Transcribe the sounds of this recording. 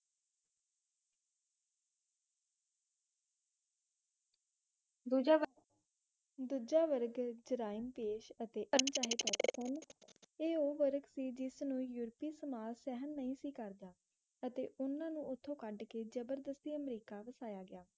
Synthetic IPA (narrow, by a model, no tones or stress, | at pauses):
d̪uːd͡ʒa | d̪uːd͡ʒaːʋəɾɡd͡ʒəɾaːɪnpeːʃət̪eːʔənt͡ʃaːɦeːt̪ɔːt̪koːneːoːʋəɾɡsiːd͡ʒɪsnũːjuːɾpiːsəmaːlsɛːɦənːəĩːsiːkəɾd̪aː | ət̪ḛːʔʊnãːnũːʔʊt̪ʰːõːkəɖkeːd͡ʒəbəɾd̪əst̪iːəmɾiːkaːʋəsaːjaːɡɪjaː